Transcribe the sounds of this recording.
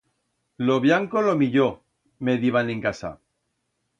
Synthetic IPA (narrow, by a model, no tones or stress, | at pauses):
loβjaŋkolomiʎo | me̞ðiβanẽ̞ŋkasa̰